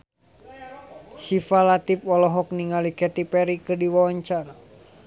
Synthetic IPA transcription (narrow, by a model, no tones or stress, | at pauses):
sifalat̪ipɔlɔɦɔk̚niŋalikɛt̪ipɛɾikɨrdiwawaɲt͡ʃara